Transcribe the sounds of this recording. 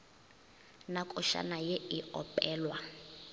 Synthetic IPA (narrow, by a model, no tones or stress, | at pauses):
nakʼɔʃa̰najeiɔpʼɛːlwa